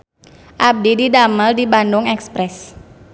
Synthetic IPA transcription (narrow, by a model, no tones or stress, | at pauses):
ʔab̚dididaməldibandʊŋɛkspɾɛs